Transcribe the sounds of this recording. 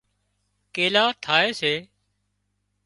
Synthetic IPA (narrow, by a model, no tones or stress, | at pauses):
keːlaːt̪ʰaːeːseː